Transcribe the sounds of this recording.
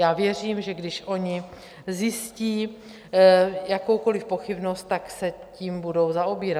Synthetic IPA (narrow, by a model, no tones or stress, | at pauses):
jaːvjɛr̝iːmʒɛɡdɪʃʔo̞ɲɪ | zjɪsciː | jako̞wko̞lɪfpo̞xɪbnost̪t̪aksɛ | ciːmbudo̞wzaobiːɾa